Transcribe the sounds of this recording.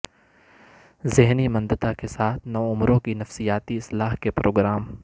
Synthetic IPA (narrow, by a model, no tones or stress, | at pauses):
zɪɦnimɐ̃nd̪ət̪akesaːt̪ʰnɐʊmɾõkinɐfsijaːt̪iɪslaːɦkepɾoːɡɾaːm